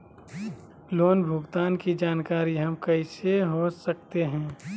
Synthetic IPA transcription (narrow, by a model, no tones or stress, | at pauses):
loːnbʱʊɡt̪aːnkid͡ʒaːnkaːɾiɦɐmkɐɪseɦosɐk̚t̪eɦɛ̃ː